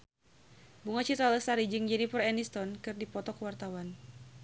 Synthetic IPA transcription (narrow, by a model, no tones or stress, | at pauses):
buŋat͡ʃit̪ɾaləsaɾid͡ʒɨŋd͡ʒɛnipərɛnist̪ɔnkɨrdipɔt̪ɔkəwart̪awan